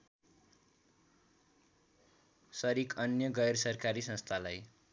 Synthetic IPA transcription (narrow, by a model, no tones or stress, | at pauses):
sʌɾikʌnjʌɡʌjrʌsʌrkaɾisʌ̃nst̪ʰalaj